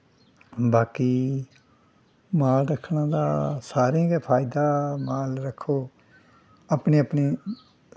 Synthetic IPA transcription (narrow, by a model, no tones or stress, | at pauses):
baːkiː | maːlɾəkʰnaːd̪aːsaːɾẽːɡepʰaːɪd̪aːmaːlɾəkʰːoː | apneːəpniː